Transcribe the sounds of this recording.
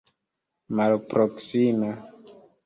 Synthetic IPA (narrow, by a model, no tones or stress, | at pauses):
malpɾoksima